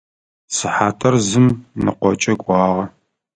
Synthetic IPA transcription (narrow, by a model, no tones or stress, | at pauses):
sɨħaːtʰɐrzɨmnɨ̰qʷɔt͡ʃʼɐɡʷʼɑːʁɐ